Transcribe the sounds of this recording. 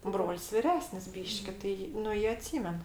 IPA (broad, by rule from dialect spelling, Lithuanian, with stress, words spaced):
ˈbroːlʲsʲ ʋʲɪˈrʲæːsʲnʲɪs ˈbʲiːʃʲkʲɪ ˈtɐɪ ˈnʊ ˈjiɛ ɐˈtʲsʲiːmʲɛn